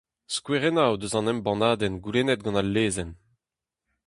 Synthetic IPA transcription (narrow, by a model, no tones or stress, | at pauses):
skweʁenawd̪øzɑ̃nɛmbɑ̃naːd̪ɛnɡulenɛt̪̚ɡɑ̃nalːeːzɛn